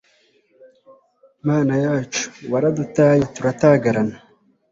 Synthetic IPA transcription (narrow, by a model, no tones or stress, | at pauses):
maːnajaːt͡ʃu̥waɾad̪ut̪aːjat̪uɾat̪aːɡaɾana